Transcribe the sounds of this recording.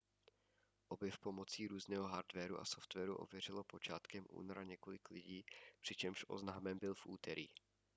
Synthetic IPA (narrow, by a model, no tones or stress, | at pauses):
ʔo̞bjɛfpo̞mo̞t͡siːɾuːznɛːɦo̞ɦaɾd̪vɛɾuʔa̰so̞ft̪vɛːɾuʔo̞̰vjɛr̝ɪlo̞po̞t͡ʃaːt̪kɛmʔṵːnoɾaɲɛko̞lɪklɪɟiːpr̥ɪt͡ʃɛmʃʔo̞̰znaːmɛmbɪlfʔṵːt̪ɛɾḭː